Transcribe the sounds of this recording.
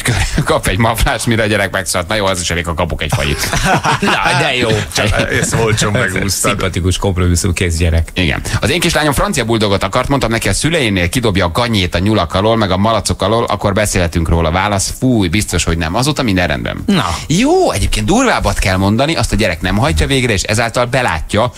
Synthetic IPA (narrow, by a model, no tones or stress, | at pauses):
køkɒpɛɟmɒflaːʃmiɾɛɒɟɛɾɛk̚mɛksot̪nɒjoːɛziʃɛleːkɒkɒpokɛcfɒ̰lḭt̪nd̪ɛjoːt͡ʃɛolt͡ʃomɛɡuːsmpɒt̪ikuʃko̞mpromisumkeːzɟɛɾɛkiɡɛ̰nɒzeːŋkiːʃlaːɲo̞mfrɒnt̪sijɒbuld̪o̞ɡot̪ɒkɒrt̪mo̞nt̪ɒmnɛkiɒsylɛjeneːlkid̪o̞bjɒːɡɒɲeːt̪ɒɲulɒkɒloːlmɛɡɒmɒlɒt̪so̞kɒloːlʔɒ̰ko̞rbɛseːlhɛt̪yŋkroːlɒvaːlɒsfuːjbist̪o̞ʃho̞ɟnɛmɒzoːt̪ɒmind̪ɛrɛ̰nd̪bɛ̰nnjoːɛɟeːp̚keːnd̪d̪urvaːbɒt̪kɛlmo̞nd̪ɒniʔɒst̪ɒɟɛɾɛknɛmɦɒccːɒveːɡrɛeːʃɛ̰zaːlt̪ɒlbɛla̰ːcːɒ